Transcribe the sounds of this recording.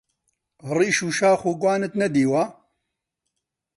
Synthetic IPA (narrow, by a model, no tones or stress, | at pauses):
riːʃuːʃaːxuːɡwaːnɨt̪nɛd̪iːwaː